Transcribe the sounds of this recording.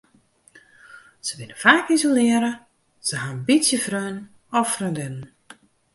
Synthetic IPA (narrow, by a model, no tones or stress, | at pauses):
z̥əʋɪnəfaːkizolɪəɾə | z̥əɦanbitsjəfrøn | ɔfrøndɪnən